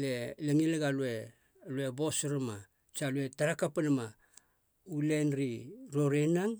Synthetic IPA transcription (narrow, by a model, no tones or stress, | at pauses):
leleŋileɡalue | lue̞bo̞soɾama | t͡ʃalue̞taɾakapanama | ulenɾiɾoɾenaŋ